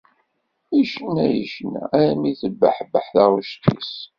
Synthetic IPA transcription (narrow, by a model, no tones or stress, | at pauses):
iʃənæjəʃənæ̰æɾæmiθəbːəħbəħθaʁuʃt̪ːḭs